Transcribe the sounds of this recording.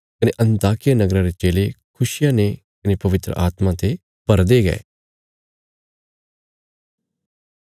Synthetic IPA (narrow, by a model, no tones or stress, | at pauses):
kɐneʔɐ̃nt̪aːkɪjanɐɡɾãɾet͡ʃeːlekʰʊʃɪjane | kɐnepɐʋɪt̪ɾə̰ʔaːt̪mãt̪e | pɐɾd̪eɡɐ̰ḛ